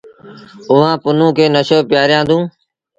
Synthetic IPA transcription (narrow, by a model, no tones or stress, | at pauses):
ʊʋãːpʊnũːkʰeːnəʃoːpjaːɾjãːd̪ũː